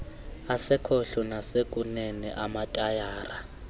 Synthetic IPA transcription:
asɪkʰoɬɔnasekʼunɛnɛʔamatʼajaːra

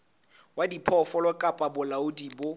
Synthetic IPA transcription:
wadipʰɔfɔlɔkʼapʼabʊlaʊdibʊ

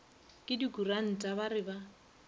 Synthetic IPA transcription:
kʼɪdikʼuran̩tʼabaɾɪba

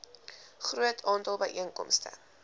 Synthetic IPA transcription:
χruətʰɑːntɑlˠbəjʔiəŋkɔ̰mstə̰

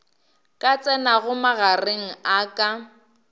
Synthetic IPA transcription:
kʼat͡sʼɛnaɣʊmaɣareŋ̩akʼa

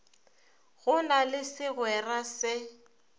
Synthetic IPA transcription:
ɣʊnalɪsɪɣwɛrasɪ

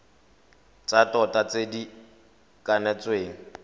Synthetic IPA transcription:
t͡satʼɔtat͡sʼedi | kʼanɛt͡sʼweːŋ̩

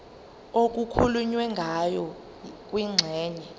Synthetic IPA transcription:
ok̬ʼukʰuluɲwɛŋɡʱajɔ | k̬ʼwiŋ͡ǀʱɛːnɛ

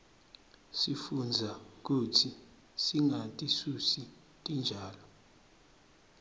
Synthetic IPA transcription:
sifund͡zʱak̬utʰi | siŋatʼisusi | tʼind͡ʒʱaːlɔ

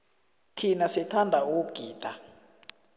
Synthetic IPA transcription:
tʰinasɛtʰandʱauɡ̥ʱiːtʼa

